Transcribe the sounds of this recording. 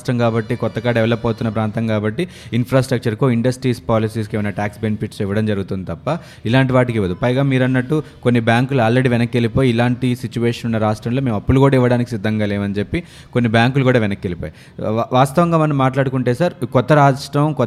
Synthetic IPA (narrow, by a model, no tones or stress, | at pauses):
ʈɾɐmkaːbɐʈːikɔt̪ːɐkaːɖɛʋɐlɐpːɐːt̪unːɐpɾaːnt̪ɐmkaːbɐʈːi | inpʰɾaːsʈɾɐk̚t͡ʃɐɾkoiɳɖɐsʈɾiːspaːlisiːskeːʋɐnaːʈaːksbenipʰiʈsiʋɐɽɐmd͡ʒɐɾuɡut̪und̪it̪ɐpːɐ | ilaːɳʈiʋaːʈikiʋɐd̪upɐjɡaːmiːɾɐnːɐʈːu | ko̞nːibjaːŋkuluaːlɾe̞ɽiʋɛnɐkːelipoːjiːlaːɳʈisit͡ʃuʋeːʂɐnunːɐɾaːʂʈɾɐmloːme̞ːmɐpːulukuːɽaːiʋɐɽaːnikisid̪ʱːɐŋɡaːleːmɐnid͡ʒe̞pːi | ko̞nːibjaːŋkulukuːɽaːʋɛnɐkːelipoːj | ʋaːst̪ɐʋɐŋɡaːmɐnɐmːaːʈlaːɽukuɳʈe̞ːsaːɾkɔt̪ːɐɾaːʂʈɾɐmkɔ